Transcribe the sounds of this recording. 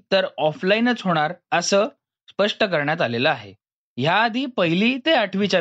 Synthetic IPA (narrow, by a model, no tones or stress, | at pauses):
t̪əɾɔflainət͡sɦoɽ̃aɾəsəː | spəʂʈəkəɾɳjat̪aleləaɦḛ | ɦjaːd̪ʱiːpəɦiliːt̪eaʈʰʋit͡ɕa